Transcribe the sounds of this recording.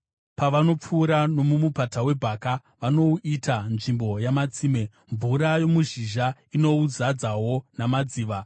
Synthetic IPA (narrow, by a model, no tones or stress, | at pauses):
paʋano̞p͡fuːɾano̞mumupatawe̞bʱaːkaʋano̞uʔitʰanʐimbo̞jamat͡siːme̞ | ɱvuɾajo̞muʒiʒa | ino̞ud͡zad͡zawo̞namad͡ziːʋa